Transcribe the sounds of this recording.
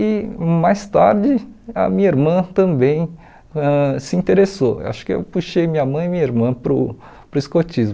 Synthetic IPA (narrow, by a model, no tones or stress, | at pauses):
ɪmajst̪a̰ɾd͡ʒɪɐ̰mĩɲɐiɾmɐ̃t̪ɐ̃mbẽj̃ | ɛ̃sɪĩnt̪eɾeso̰ʔa̰ʃʊ̥kɪḛwpuʃejmĩɲɐmɐ̃j̃ɪmĩɲiɾmɐ̃pɾʊ | pɾʊiskot͡ʃizm